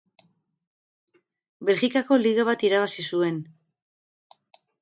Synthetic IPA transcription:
be̞lxikako̞liɣaβ̞at̪iɾaβasisue̞n

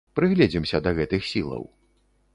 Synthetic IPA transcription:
pɾɨɣlʲɛd͡zʲimsʲɐd̪ɐɣɛt̪ɨxsʲilˠɐ̰w

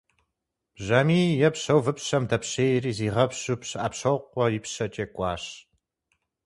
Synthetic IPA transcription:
b̥ʑɐmiːjɛpɕɐwvɨpɕɐmdɐpɕeːjriːziːʁɐpɕupɕʔapɕɐwqʷɔjɪpɕɐt͡ʃʼeːkʷʼɑːɕ

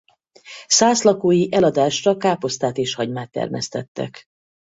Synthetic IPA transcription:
saːslɒkoːjiʔɛlɒd̪aːʃt̪ɒkaːpo̞st̪aːt̪eːʃhɒɟmaːt̪ːɛ̰rmɛ̰st̪ɛt̪ːɛ̰k

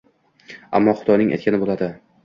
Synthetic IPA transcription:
a̰mːɒχʊd̪ɒjnɪŋʔa̰jt̪kʲʰanɪbolˠad̪ɪ

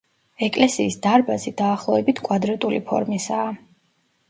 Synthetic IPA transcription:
ɛkʼlɛsiːsd̪aɾbazid̪aːχlˠɔɛbit̪ʰkʼwad̪ɾat̪ʼulipʰɔ̰ɾmisaː

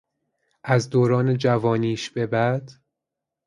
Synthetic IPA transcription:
ʔæzd̪oːɾɒːned͡ʒævɒːniːʃb̥e̞bæd̪̥

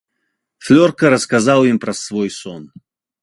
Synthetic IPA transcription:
flʲorkəɾəskazalˠimpɾɐsvojsɔn

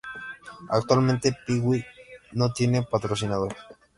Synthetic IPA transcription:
a̰kt̪uwalment̪epiɣwinot̪jenepat̪ɾosinaðoɾ

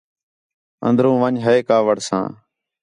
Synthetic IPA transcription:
ə̰nd̪ɾũːʋəɲɦəeːkaːʋəɽsã̰ː

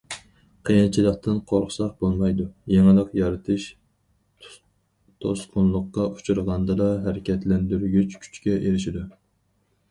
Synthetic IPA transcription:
qʰejnt͡ʃʰilˠəqt̪ɨnqʰoɾχʊ̥sɑq̚bolˠmɑjd̪ujeŋɨlˠəqjɑɾɨt̪ʰɨʃ | t̪ʰosqʰʊnlˠʊqːɑʔu̥t͡ʃʰuɾʁɑnd̪ɨd̪ɑɦæɾɪkʲɛt̪lɛnd̪yɾɡʲyt͡ʃkʲʰy̥t͡ʃkʲɛʔeɾɪʃid̪u

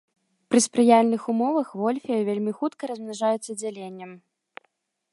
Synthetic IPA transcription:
pɾɨspɾɨjalʲnɨxumɔvɐxvɔlʲfʲijɐvʲelʲmʲixut̪kɐɾɐzʲmnaʐajɛt̪sːɐd͡zʲalʲenʲːɛm

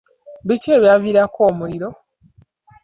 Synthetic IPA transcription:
βiceːβjaviɾako̞ːmuliɾo̞

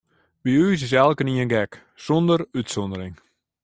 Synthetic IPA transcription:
biyːs̬ɪs̬ɛlˠkəniənɡɛk | sɔndəɾytsɔndəɾɪŋ

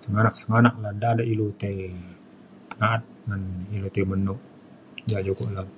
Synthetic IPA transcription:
səŋanak̚səŋanak̚ladaːdailut̪ei | ŋaat̪̚ŋanilot̪eimənuʔ | d͡ʒad͡ʒokoʔla

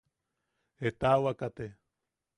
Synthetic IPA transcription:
et̪awakat̪e

